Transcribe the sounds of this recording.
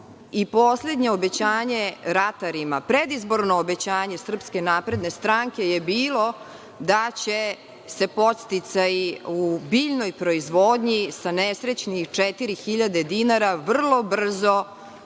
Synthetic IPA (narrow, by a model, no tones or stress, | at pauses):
ipoːsle̞d̪ɲeobe̞t͡ɕaːɲe̞ɾat̪aɾimapɾed̪izbo̞ɾnoːbe̞t͡ɕaːɲe̞sr̩pske̞naːpɾe̞d̪ne̞st̪ɾaŋke̞jebiːlˠo̞ | d̪at͡ɕe | se̞po̞t̪st̪it̪sajiubiːʎnojpɾo̞izʋoːd̪ɲisanesɾet͡ɕnixt͡ʂet̪iɾixiʎad̪ed̪inaɾaʋr̩lˠo̞br̩zo̞